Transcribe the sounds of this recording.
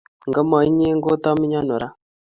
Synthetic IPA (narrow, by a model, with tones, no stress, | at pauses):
ŋɡa˦ma˨i˦ɲe˦ŋɡo˦ta˦mi˦ɲa˦nu˨ɾa˨